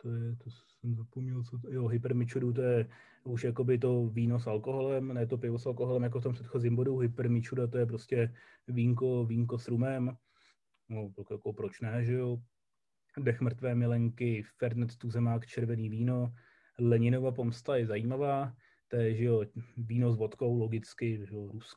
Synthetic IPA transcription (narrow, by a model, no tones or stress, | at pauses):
t̪ojɛt̪osɛmzapomɲɛlt͡sojoɦɪpɛɾmɪt͡ʃudut̪̬ojɛ | uʃjako̞bɪt̪̬o̞viːno̞s̬alko̞ɦo̞lɛmnɛt̪o̞pɪvosalko̞ɦolɛmjak̬oft̪ompr̥ɛt̪xo̞ziːmbo̞duɦɪpɛɾmɪt͡ʃudat̪o̞jɛp̬ɾoscɛ | viːŋk̬o̞viːŋk̬o̞sɾumɛm | noɛlkjakopɾot͡ʃnɛʒɛjo | dɛxmr̩t̪vɛːmɪlɛŋkɪfɛɾd̪nɛt̪t̪uzɛmaːkt͡ʃɛɾvɛniːviːno̞ | lɛɲɪno̞vapomst̪ajɛzajiːmavaː | t̪ɛɛʒɛo̞viːno̞z̬vot̪ko̞wlo̞ɡɪt͡skɪʒɛoɾus